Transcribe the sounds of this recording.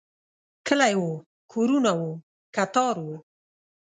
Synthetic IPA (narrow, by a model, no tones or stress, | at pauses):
kəlajwo | kʰoɾunawo | kat̪ɑɾwo